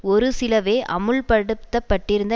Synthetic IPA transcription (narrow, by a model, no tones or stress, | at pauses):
ɔɾɯsɪlɐʋeːʔɐmɯɭpɐɽɯt̪ːɐpːɐʈːɪɾɯnd̪ɐ